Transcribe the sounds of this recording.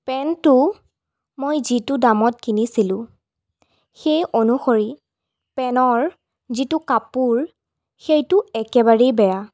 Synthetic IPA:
pɛntʊ | mojzitʊdamɔt̚kinisilʊ̃ | xejʔonuxoɹi | pɛnɔɹ | zitʊkapuɹ | xejtʊɛkɛbaɹejbɛɹa

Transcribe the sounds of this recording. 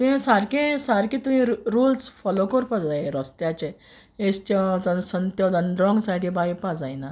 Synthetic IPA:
t̪uɦẽsaɾkẽsaɾkĩt̪uɦĩɾulsfɔlokɔɾpad͡zajeɾɔst̪jat͡ɕe | est̪jɔd͡zasənt̪jɔd͡zənd̪ɾɔ̃ŋɡsajɽebaipad͡zajna

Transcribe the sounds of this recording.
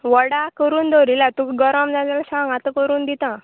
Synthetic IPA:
ʋɔɽakəɾuːnd̪oɾilat̪ũkɡɔɾɔmd͡zad͡zalsãŋɡat̪əkəɾuːnd̪it̪ã

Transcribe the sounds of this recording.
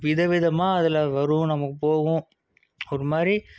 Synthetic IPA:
ʋɪðɐʋɪðɐmaːɐðɯlɐʋɐɾɯ̃nɐmɐkːɯpoːɣʊ̃ | ɔɾɯmaːɾi

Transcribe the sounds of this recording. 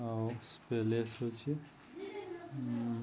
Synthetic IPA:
awspelesot͡ʃʰi

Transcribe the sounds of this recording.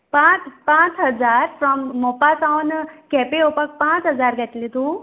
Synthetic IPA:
pãt͡spãt͡sɦəd͡zaɾfɾɔmːɔpasawnkɛpeopak̚pãt͡sɦəd͡zaɾɡʱɛt̪lit̪ũ

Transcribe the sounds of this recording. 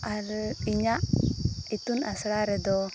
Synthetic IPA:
aɾiɲa | it̪unasɺaɾɛd̪ɔ

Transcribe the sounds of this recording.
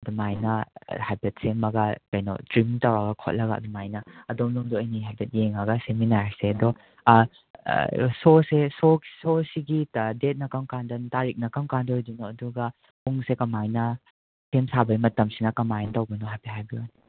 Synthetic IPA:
ɐdumajnɐhajbet̚semɐɡɐkɐjnɔ̰tɾimtɐwaɡɐkʰo̰t̚lɐɡɐɐ̰dumajnɐɐdomluŋduɐjniɦajbet̚jeŋɐɡɐseminaɾseɐdɔ | sosesososiɡidet̚nɐkɐmkandɐntaɾik̚nɐkɐmkandodinoɐduɡɐ | puŋsekɐmajnɐ | semsabɐjmɐtɐmsinɐkɐmajntɐwɡɐnɔɦajpiɦajbian

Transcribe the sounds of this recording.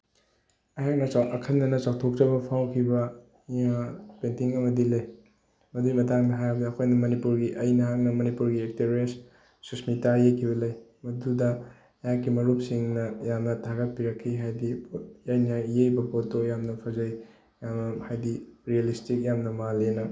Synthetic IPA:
ɐjaŋnɐt͡ʃaʔɐkʰɐndɐnɐt͡ʃawtʰok̚tɐbɐpʰawkʰibɐ | japentiŋɐmɐdilɐj | mɐdimɐtaŋdɐɦajɐbɐdɐːkʰojnɐmɐnipuɾɡiʔɐjnɐɦaŋnɐmɐnipuɾɡiek̚teɾes | susmitajejkʰibɐlɐjmɐdudɐ | jãkimɐɾup̚siŋnɐjamnɐtʰaɡɐt̚piɾɐkʰːiɦajdipojajnajejbɐpotojamnɐpʰɐzɐj | jamnɐhajdiɾialistik̚jamnɐmalenɐ

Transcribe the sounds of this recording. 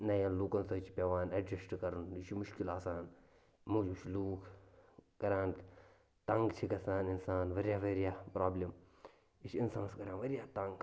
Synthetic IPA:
nɐjãːnluːkɐnsɐt͡ʃʰi̥pʲɐʋaːnɐd͡ʒɐsʈkɐɾunit͡ʃʰimuʃkilaːsaːn | muːd͡ʒut͡ʃʰiluːk | kɐɾʲãːn | t̪ɐŋɡt͡ʃʰikɐsaːninsaːnʋɐɾʲjaːʋɐɾijaːpɾaːblʲim | iʃinsaːnskɐɾʲãːnʋɐɾijaːt̪ɐŋɡ

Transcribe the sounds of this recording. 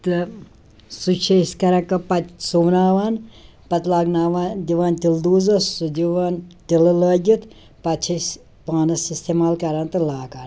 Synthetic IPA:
t̪ɨ | sut͡ʃʰesʲkɐɾɐkɐpɐt̪ʲsuʋnaːʋaːn | pɐt̪laːɡnaːʋaːnd̪iʋaːnt̪ild̪uːzɐssud̪ʲiʋaːnt̪ilɨləːɡʲit̪ | pɐt̪t͡ʃʰɐs | paːnɐsist̪eːmaːlkɐɾaːnt̪ɨlaːkaːn

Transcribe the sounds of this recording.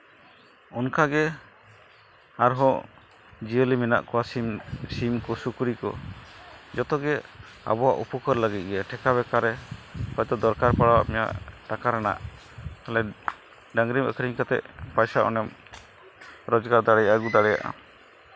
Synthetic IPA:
ɔnkaɡɛ | aɾɦɔ | d͡ʒiəlimɛna̰ʔkɔwasimsimkɔsukuɾikɔ̰ | d͡ʒɔt̪ɔɡɛa̰bɔwa̰ʔupɔkɔɾləɡit̪̚ɡɛʈʰɛkaβɛkaɾɛpɔjt̪ɔd̪ɔɾkaɾpaɽawaʔmɛja̰ʔʈakaɾana̰ʔ | kalɛ | ɖaŋɡɾimə̰kəɾiŋkat̪ɛ̰ʔpajsaʔɔ̰nɛm | ɾɔd͡ʒɡaɾd̪aɽɛjaaɡud̪aɽɛja̰ʔa̰

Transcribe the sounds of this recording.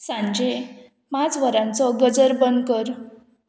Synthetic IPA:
sãɲd͡ʑe | mat͡sʋəɾãnt͡sɔɡəd͡zəɾbənkəɾ

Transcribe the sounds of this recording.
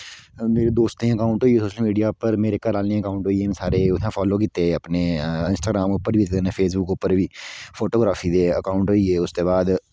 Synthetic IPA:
meːɾeːd̪oːst̪ẽəkaːʊ̃ɳʈɦoːieːsoːʃəlmiːɖijaːpəɾmeːɾekəɾaːlnẽːəkaːʊ̃ɳʈɦoːieːẽːsaːɾeʊãːpʰɔːloːkiːt̪eəpneːɪnsʈaːɡɾaːmʊpːəɾʋiːt̪ːneːpʰeːsbʊkʊpːəɾʋiːpʰoːʈoːɡɾaːfʰiːd̪eːəkaːʊɳʈɦoːieːʊst̪eːbaːd̪

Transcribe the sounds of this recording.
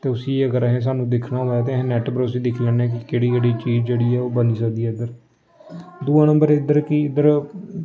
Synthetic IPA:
t̪eːʊsiːəɡəɾɦẽːs̬aːnũːd̪ɪkʰnaːɦoːaːt̪̬eːɦnɛːʈbəɾʊsiːd̪ɪkʰlɛːnɛ̃ːk̬ɪkeːɽiːkeːɽiːt͡ʃiːd͡ʒd͡ʒeːɽiːɛːoːbəniːsəkd̪iːɛːɪd̪əɾ | d̪uːãːnəmbəɾɪd̪əɾkɪɪd̪əɾ

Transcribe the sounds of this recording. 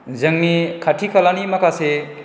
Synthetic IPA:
zɐŋmikʰaʈʰikɐlanimɐkase

